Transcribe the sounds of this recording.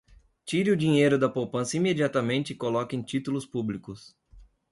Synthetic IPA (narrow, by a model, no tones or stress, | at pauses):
t͡ʃiɾɪʊd͡ʒĩɲejɾʊd̪ɐpowpɐ̃sɐimed͡ʒiat̪ɐmẽnt͡ʃɪkolɔkɪẽj̃t͡ʃit̪ulʊspublikʊs